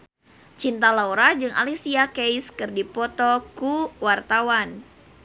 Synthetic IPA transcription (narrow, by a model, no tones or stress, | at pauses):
t͡ʃint̪alauɾad͡ʒɨŋʔa̰lisiakejskɨrdipɔt̪ɔkuwart̪awan